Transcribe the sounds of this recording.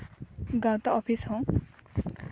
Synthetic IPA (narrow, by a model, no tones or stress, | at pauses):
ɡãw̃t̪aɔpʰishõ